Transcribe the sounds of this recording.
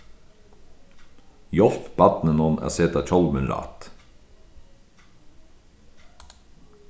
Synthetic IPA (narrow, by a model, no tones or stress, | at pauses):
jɔlt̪bɑt̪nənɔːnʔæ̰ːseːt̪ɑːc͡çɔlmənɾɑ̰ːt̪